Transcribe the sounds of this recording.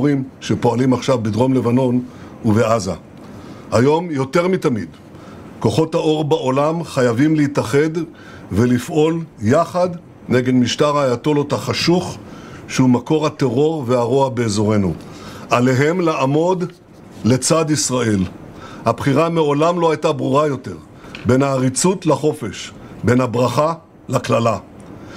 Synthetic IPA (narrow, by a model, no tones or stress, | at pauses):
ʁimʃepo̞alimaχʃavbed̪ʁo̞mle̞vano̞n | uveaza̰ | hajo̞mjo̞t̪e̞ʁmit̪amid̪ | ko̞χo̞thao̞ʁbaʔolamχajavimlehitaχe̞d | ve̞lifʔo̞ljaχad̪ | neɡe̞dmiʃtaʁajato̞lot̪haχaʃuχʃehumako̞ʁat̪eʁo̞ʁveaʁoabeːzo̞ʁe̞nṵʔale̞ɦe̞mleʔamo̞d̪ | le̞t͡sad̪isʁae̞l | habχiʁameo̞lamlohajtabʁuʁajo̞te̞ʁ | be̞nhaːʁit͡sutlaχo̞fe̞ʃbe̞nhabʁaχa | laklala